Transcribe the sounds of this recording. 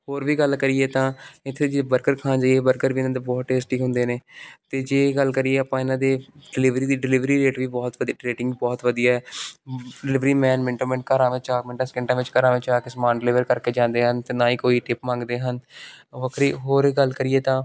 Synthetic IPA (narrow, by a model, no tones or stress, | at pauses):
ɦoːɾʋiːɡəlkəɾieːt̪ãːɪt̪ʰːed͡ʒebəɾkəɾkʰãːd͡ʒaːieːbəɾkəɾʋiːɪnãːd̪eːbɔːt̪ʈeːsʈiːkɦʊ̃nd̪eːneːt̪eːd͡ʒeːɡəlkəɾieːaːpãːɪnãːd̪eːɖɪlɪʋɾiːd̪iːɖɪlɪʋɾiːɾeːʈʋiːbɔːt̪ʋəd̪ʈɾeːʈɪ̃ŋɡbɔːt̪ʋəd̪ijaːɛː | ɖɪlɪʋɾiːmɛ̃ːnmɛ̃ɳʈoːmɛ̃ːɳʈkəːɾãːʋɪt͡ʃaːkmɪɳʈãskɪ̃ɳʈãːʋɪt͡ʃkəɾãːʋɪt͡ʃaːkɪsəmãːnɖɪlɪʋəɾkəɾkeːd͡ʒãːnd̪eːɦənt̪eːnãːiːkoːiːʈɪpmãːŋɡd̪eːɦənʋəkʰɾiːɦoːɾɡəlkəɾiːeːt̪ãː